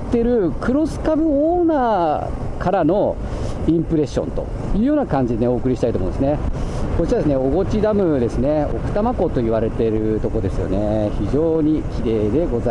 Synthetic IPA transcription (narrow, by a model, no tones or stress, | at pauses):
t̪ːe̞ɾɯ̟kɯ̟ɾo̞sɨ̥kabɯ̟oːnaː | kʰaɾano̞ | ĩmpɯ̟ɾe̞ɕːõ̞̰nt̪o̞̰ | jɯ̟ːjo̞ːnakãɲ̟d͡ʑid̪eneo̞ːkɯ̟ɾʲiɕi̥t̪ait̪omõːnd̪esɨnekot͡ɕiɾad̪esɨneo̞ɡo̞t͡ɕid̪amɯ̟d̪e̞sɨne̞o̞̰kɯ̟̥t̪amako̞t̪o̞iβaɾe̞t̪e̞ɾɯ̟t̪o̞ko̞d̪e̞sɨjo̞̰ne̞çiʑo̞ːɲ̟ikʲiɾe̞ːd̪e̞ɡo̞za